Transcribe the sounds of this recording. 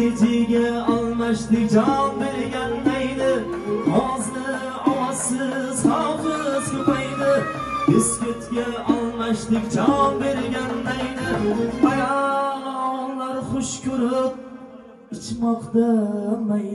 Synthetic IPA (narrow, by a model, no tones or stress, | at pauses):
ed͡ʒeɡʲaalˠmaʃlɪk̚ʲd͡ʒapbe̞ɾɡʲand̪ajd̪ɪ | hɒzɪɾ | ɒwasɪz̥χawfɪzʊpajd̪ɪ | beskʲʰet̪ɡʲaalˠmaʃlɪkʲd͡ʒaɒp̚be̞ɾɡʲand̪ajd̪ɪbajalɒlaɾχʊʃkʰʲɵɾɪp̚ | ɪt͡ʃmɒqt̪amaj